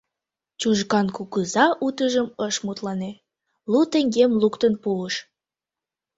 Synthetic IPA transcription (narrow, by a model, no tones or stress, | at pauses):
t͡ɕuʒɣɑnkukəzɑʔut̪əʒəməʃmut̪lɑne | lut̪eŋɡemlukt̪ənpuləʃ